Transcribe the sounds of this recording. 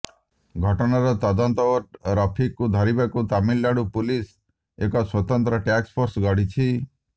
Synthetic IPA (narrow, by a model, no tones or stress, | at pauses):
ɡʱɔʈɔnaɾɔt̪ɔd̪ɔnt̪ɔbɔʈɾɔpʰikːud̪ʱɔɾibakut̪amilːaɽupulis | ekɔswɔt̪ɔnt̪ɾɔʈakspʰoɾsɡɔɽ̤it͡ʃʰi